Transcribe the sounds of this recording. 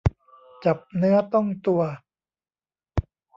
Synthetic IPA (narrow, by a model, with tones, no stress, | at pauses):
t͡ɕa˨˩p̚nɯ˦˥ɐt̪ɔ˥˩ŋt̪u˧ɐ